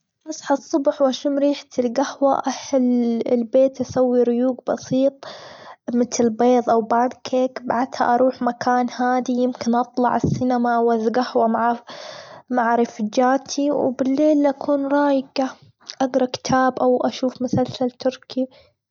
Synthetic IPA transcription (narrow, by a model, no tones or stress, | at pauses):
ʔɑsˤħɑsˤːʊbħwʔaʃuːmɾiːħt̪ɪlɡahwa̰ʔaħɪlːɪ̰lbeːt̪ʔasawːiɾʊjuːɡbɑsiːt̪ˤ | mɪt̪lbeːðˤʔawbaːnkʰeːkbaʕd̪ha̰ʔɑɾˤuːħmakʰaːnhaːd̪ijɪmkɪnʔɑt̪ˤlɑ̰ʕɪsːɪnamawaðɡahwamaʕa | maʕɾɪfd͡ʒaːt̪ʰiwbɪlːeːlʔakʰuːnɾˤɑːjɡa | ʔaɡɾˤɑkɪ̥t̪ʰaːbʔawʔaʃuːfmʊsalsalt̪ʊɾkʰi